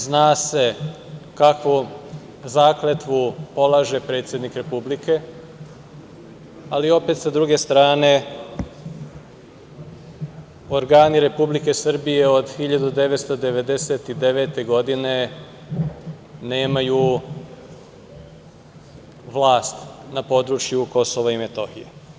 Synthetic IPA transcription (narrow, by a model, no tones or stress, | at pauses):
znaːse̞ | kakʋu | zaːklet̪ʋupo̞lˠaːʒe̞pɾe̞ːt̪sje̞d̪nikɾe̞publike̞ | alio̞pe̞t̪sad̪ɾuɡe̞st̪ɾaːne̞ | o̞ɾɡaːniɾe̞publike̞sr̩bije̞o̞d̪xiʎad̪ud̪e̞ʋet̪st̪od̪e̞ʋe̞d̪eset̪id̪e̞ʋeːt̪e̞ɡo̞d̪ine̞ | ne̞ːmaju | ʋlˠaːst̪napo̞ːd̪ɾut͡ʃjuko̞so̞ʋaime̞t̪o̞xijḛ